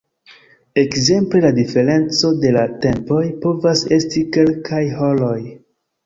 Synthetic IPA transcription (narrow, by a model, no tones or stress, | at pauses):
e̞kze̞mple̞ladife̞ɾe̞nt͡so̞de̞late̞mpo̞jpo̞vase̞stike̞lkʰajɦo̞lo̞j